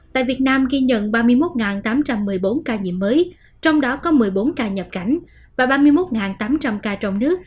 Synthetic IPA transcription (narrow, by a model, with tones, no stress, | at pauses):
t̪a̰ː˧˨jvi˨˩ət̚naː˧mɣi˧ɲə̰˧˨nɓaː˧mɨ˧əjmo˦˥t̚ŋaː˨˩nt̪aː˨˦mt͡ɕa˧mːɨ˨˩əjɓo˨˦nkaː˧ɲḭ˧˨əmːəː˨˦j | t͡ɕɔ˧wŋ͡mɗɔ˨˦kɔ˨˦mɨ˨˩əjɓo˨˦nkaː˧ɲə˨˩p̚ka˨˧˩jŋ̟ | vaː˨˩ɓaː˧mɨ˧jmo˦˥t̚ŋaː˨˩nt̪aː˨˦mt͡ɕa˧mkaː˧t͡ɕɔ˧wŋ͡mnɨ˦˥ək̚